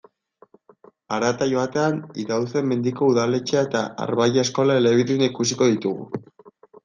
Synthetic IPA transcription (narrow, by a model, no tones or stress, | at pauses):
aɾat̪aʝo̞at̪e̞aniðawse̞mːe̞nd̪iko̞uðale̞t͡ʃeae̞t̪aa̰ɾβajaesko̞laeleβiðinaikus̬iko̞ðit̪uɣṵ